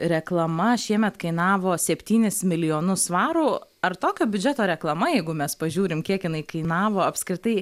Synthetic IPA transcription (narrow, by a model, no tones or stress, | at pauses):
ɾʲɛklˠɐmɐʃʲiɛmʲɛt̪kɐɪnɑːʋoːsʲɛpʲt̪ʲiːnʲɪsmʲɪlʲɪjoːnʊsʋɑːɾuːɐrt̪oːkʲoːbʲʊd͡ʒʲɛt̪oːɾʲɛklˠɐmɐjɛɪɡʊmʲɛspɐʒʲuːɾʲɪmkʲiɛkjɪnɐɪkɐɪnɑːʋoːɐpskɾʲɪt̪ɐɪ